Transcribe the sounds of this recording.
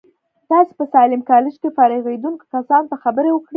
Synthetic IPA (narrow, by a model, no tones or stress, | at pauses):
t̪ɑse̥pəsɑlɪmkɑlɪʃkefɑɾɪɣed̪uŋkkasɑnt̪axabəɾewəkɽi